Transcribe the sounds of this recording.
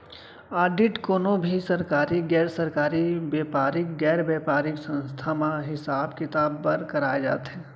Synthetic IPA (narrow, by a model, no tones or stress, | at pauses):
aːɖɪʈkoːnobʱisɐɾkaːɾiɡɛːɾsɐɾkaːɾibeːpaːɾɪkɡɛːɾbeːpaːɾɪksə̃nst̪ʰamaɦɪsaːbkɪt̪aːbpɐɾkɐɾaːed͡ʒa̰ːt̪ɦɛː